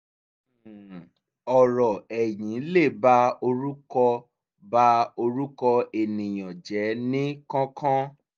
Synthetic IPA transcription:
ɔ˨ɾɔ˨ɛ˨j̃ĩ˨˦le˦˨ba˦o˧ɾu˦kɔ˧ | ba˦o˧ɾu˦kɔ˧e˨nĩ˨j̃ɔ̃˨d͡ʒɛ˨˦nĩ˦kɔ̃˦kʰã˦

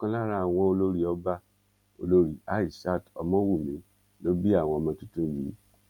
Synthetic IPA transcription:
kã˦la˦ɾa˦˨a˨w̃ɔ̃˧o˧lo˦ɾi˨ɔ˧˦ba˦ | o̰˧lo˧˦ɾi˨a˦i˦˨ʃa˦˨tɔ˧mɔ̃˦wu˦˨mĩ˨˦ | lo˦bi˦a˦˨w̃ɔ̃˧ɔ˧mɔ̃˧tũ˦tũ˦˨ji˨˦

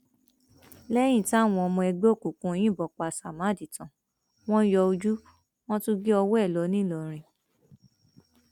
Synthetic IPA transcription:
lɛ˦j̃ĩ˦˨ti˦a˦˨w̃ɔ̃˧ɔ˧mɔ̃˧ɛ˧ɡ͡be˦o˦˨ku˨kũ˧˦j̃ĩ˦˨bɔ˨k͡pa˨sa˨mã˨˦di˨tã˨ | w̃ɔ̃˦jɔ˧o˧d͡ʒu˦ | w̃ɔ̃˦tũ˦ɡe˦ɔ˧wɛ˦˨lɔ˨˦nĩ˦lɔ˨ɾ̃ĩ˧

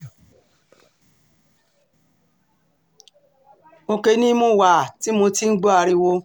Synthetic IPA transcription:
o˧ke˧˦nĩ˦mõ˦˨wa˨ti˦mo˧ti˦n̩˦ɡ͡bo˦a˧ɾi˧wo˧

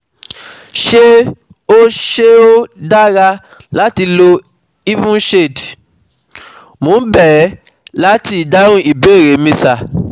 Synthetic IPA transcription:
ʃe˦ | o˦ʃe˦o˦da˦ɾa˧ | la˦ti˧lo˧ | i˦vũ˦ʃe˦˨d | mõ˨˦bɛ˦˨˦la˦ti˧˨da˦ɾ̃ũ˦i˦˨be˦˨ɾe˨˦mĩ˧sa˨

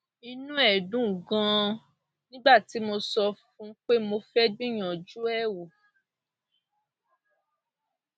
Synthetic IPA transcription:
i˧nũ˦ɛ˦˨dũ˨˦˨ɡã˨˦˧ | nĩ˦ɡ͡ba˦˨ti˨˦mo˧sɔ˧fũ˦k͡pe˦mo˧fɛ˦d͡ʒĩ˦j̃ã˨d͡ʒu˦ɛ˦˨wo˨

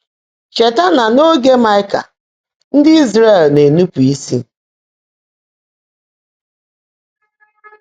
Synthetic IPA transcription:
t͡ʃe˨ta˦na˨no˦ɡe˦ma˦ɪ˦ka̰˨ | n̩˦dɪ˦i˦zɾe˦˨lne˨nu˦pu˨i˦sḭ˦

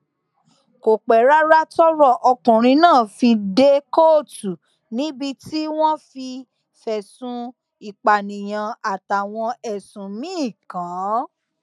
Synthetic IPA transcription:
ko˨k͡pɛ˨ɾa˦ɾa˦tɔ˦ɾɔ˦˨ʔɔ˧kũ˨ɾ̃ĩ˧nãː˦˨fĩ˧de˦ko˦˨tu˨ | nĩ˨˦bi˧ti˦w̃ɔ̃˦fi˧ | fɛ˨sũ˧ | i˨k͡pa˨nĩ˨j̃ã˨a˨ta˨w̃ɔ̃˧ɛ˨sũ˨mĩ˦˨kã˨˦

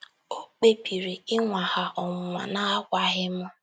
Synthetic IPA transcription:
o˦k͡pe˦pi˨ɾi˨ɪ˦ŋʷa˨ha˨ʔɔ˨ŋʊ˨ma̰˨na˦a˦kʷa˨ɦɪ˦mʊ˦

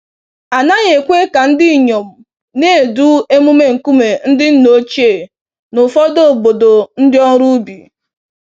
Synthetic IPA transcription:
a˨na˦ɲe˨kʷe˦ka˨n̩˦dɪ˦˨ɲo˨m̩˨ | ne˦˨du˦e˦mu˦me˦ŋ̩˨ku˦me˨n̩˦dɪ˦n̩˦no˦t͡ʃe˦˨ | nʊ˨fɔ˦do˦˨bo˨do˨n̩˦dɪ˦ɔ˦n̩˦ɾu˦bi˨

